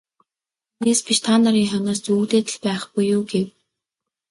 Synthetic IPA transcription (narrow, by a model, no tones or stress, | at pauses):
uneːspit͡ɕt̪ʰaːnaɾiːŋχœnɔːst͡suːkt̪eːt̪ɘ̆ɮpæːχɡujːuːɡew